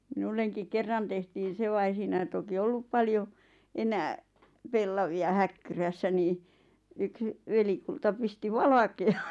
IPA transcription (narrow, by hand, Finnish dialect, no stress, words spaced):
minulːeŋkiŋ kerːɑn tehtiːn̞ se ʋɑ ei siːnæi toki olːup pɑljo enæː pelːɑʋiɑ hækːyræsːæ niː yks ʋelikultɑ pisti ʋɑlɑkeɑn